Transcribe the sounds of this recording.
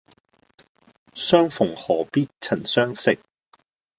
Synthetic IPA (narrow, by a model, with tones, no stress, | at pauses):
sœː˥ŋfʊ˨˩ŋhɔː˨˩piː˥t̚t͡sʰɐ˨˩nsœː˥ŋsɪ̰˨k̚